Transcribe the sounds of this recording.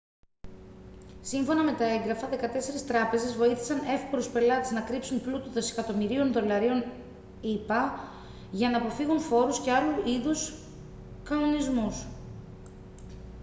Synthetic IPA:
siɱfo̞nɐme̞t̪ɐe̞ŋɡɾɐfɐðe̞kɐt̪e̞se̞ɾist̪ɾɐpe̞ze̞zvo̞iθi̥sɐne̞fkoɾuspe̞lɐt̪eznɐkɾipsunplut̪uðe̞se̞kɐt̪o̞miɾio̞nðo̞lɐɾio̞n | ipɐ | ʝɐnɐːpo̞fiɣunfo̞ɾusce̞ɐluʔiðus | kɐno̞nizmus

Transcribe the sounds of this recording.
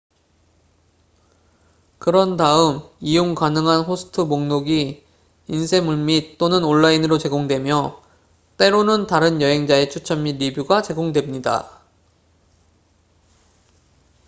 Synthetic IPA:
kɯɾʌndaɯmijoŋkanɯŋɦanɸosʰɯ̥tʰɯmoŋnoɡi | insʰe̞muɭmitt͈onɯnoɭːainɯɾot͡ɕe̞ɡoŋdwe̞mjʌ | t͈e̞ɾonɯntaɾɯnjʌɦe̞ŋd͡ʑae̞t͡ɕʰut͡ɕʰʌmːiɾibjuɡat͡ɕe̞ɡoŋdwe̞mɲida̰

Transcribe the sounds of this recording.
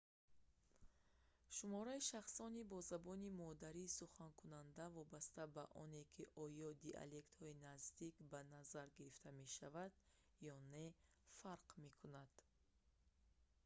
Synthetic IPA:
ʃumɔɾaiʃaχsɔnibɔzabɔnimɔd̪aɾiːsuχankʰunand̪avɔbast̪abaʔɔne̞kʰiʔɔjɔd̪iʔa̰le̞kt̪hɔinazd̪ikbanazaɾɡiɾift̪ʰame̞ʃavad̪̥ | jɔne̞ | faɾqme̞kʰunad̪̥

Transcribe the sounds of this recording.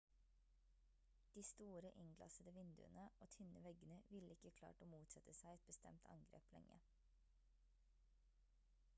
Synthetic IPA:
d̪̥iːst̪uːɾəʔɪŋɡlɑ̰səd̪əʋɪnd̪ʉ̰ːənəoːt̪ʰʏnəʋɛɡənəʋɪləɪkəkʰlɑ̰ːʈoːmuːt̪sɛt̪əsæɪɛt̪̚bəst̪ɛ̰mt̪ʰɑ̰ŋɡɾḛːplɛ̰ŋə̰ɾ

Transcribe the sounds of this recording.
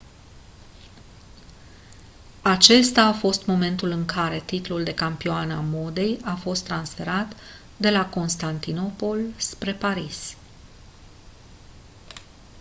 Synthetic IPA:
at͡ʃe̞st̪aːfo̞st̪mo̞me̞nt̪ulɨŋkʰaɾe̞t̪it̪luld̪e̞kampioanamo̞d̪e̞jafo̞st̪ːɾansfe̞ɾat̪ | d̪e̞lako̞nst̪ant̪ino̞po̞lspɾe̞paɾis

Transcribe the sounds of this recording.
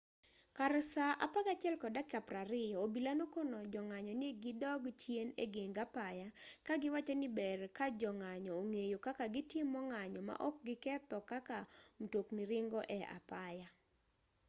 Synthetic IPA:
kaɾsaʔa̰paɡat͡ʃɪɛlkɔdakapraɾɪjɔobilanokonɔd͡ʒɔŋaɲɔnɪeɡɪdɔɡt͡ʃjenḛɡeŋɡapajakaɡɪwat͡ʃenɪbɛrkad͡ʒɔŋaɲɔoŋejokakaɡɪtɪmːɔŋaɲɔma̰ʔɔk̚ɡɪkɛt̪ɔkakam̩tokniɾɪŋɡɔʔɛa̰paja

